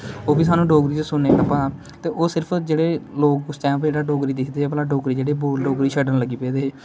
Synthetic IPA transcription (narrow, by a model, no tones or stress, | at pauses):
oːbiːs̬aːnũːɖoːɡɾiːd͡ʒsʊnːeːtəpaː | t̪eːʔoːsɪɾpʰd͡ʒeːɽeːloːkst͡ʃɛ̃ːpd͡ʒeːɽaːɖoːɡɾiːd̪ɪkʰd̪eːeːpəlaːɖoːɡɾiːd͡ʒeːɽeːboːlɖoːɡɾiːʃʰəɖənləɡiːpeːd̪eːɦeː